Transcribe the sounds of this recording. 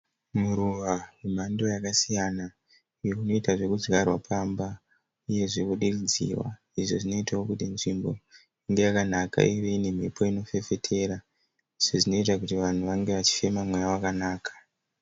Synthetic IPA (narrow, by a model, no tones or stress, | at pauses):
muɾuʋawem̤ando̞jakasijana | ijouno̞itaʐe̞kud͡zɡarwapʰamba | uje̞ʐekuɗirid͡zḭwa̰ | iʐo̞ʐino̞itawokutinʐimbo̞jaiŋɡe̞jakanaka̰iʋeine̞m̤ipʰo̞ino̞fe̞fe̞tʰe̞ɾa | iʐ̥oʐino̞itakutiʋan̤uʋaŋɡe̞ʋat͡ʃi̥fe̞mamwejawakanaːkʰḁ